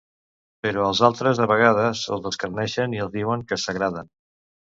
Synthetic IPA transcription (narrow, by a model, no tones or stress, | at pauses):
pəɾoəlˠzalˠt̪ɾəzðəβəɣ̞að̞əzə̰lˠzðəskəɾnɛʃəniəlˠzðiwəŋkəsəɣɾaðən